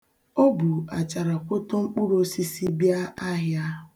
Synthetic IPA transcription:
o˦bu˨a˨t͡ʃa˨ɾa˨kʷo˦to˦ŋ͡m̩˦k͡pu˦ɾo˦si˦si˦bja˦a˦ɦja˦

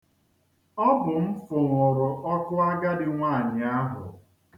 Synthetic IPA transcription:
ɔ˦bʊ˨m̩˦fʊ˨ŋʷʊ˨ɾʊ˨ʔɔ˦kʊ˦a˦ɡa˦dɪ˨ŋʷaː˦˨ɲɪ˨a˦ɦʊ̰˨

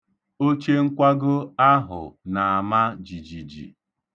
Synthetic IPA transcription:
o˦t͡ʃe˦ŋ̩˦kʷa˦ɡʊ˦a˦ɦʊ̰˨na˨a˨ma˦d͡ʒi˨d͡ʒi˨d͡ʒḭ˨

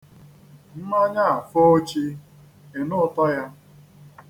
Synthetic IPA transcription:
m̩˦ma˦ɲa˦a˨fo˦t͡ʃi˦ | e˨nʊ˦tɔ˦ja˦

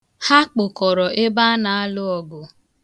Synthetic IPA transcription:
ha˦k͡pʊ˨kɔ˨ɾɔ˨ʔe˦ba˦na˨a˦lʊ˦ɔ˨ɡʊ˨

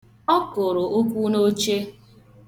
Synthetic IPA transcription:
ɔ˦kʊ˨ɾʊ˨ʔo˦kʷu˦no˦t͡ʃe˦

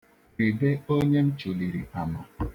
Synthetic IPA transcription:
ɾi˨be˦o˦ɲe˦m̩˦t͡ʃu˨li˨ɾḭ˨a˨ma˨

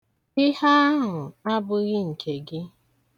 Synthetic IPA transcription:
ɪ˦ha˦a˦ɦʊ˨a˦bʊ˦ɣɪ˦ŋ̩˨kʰe˨ɡɪ˦

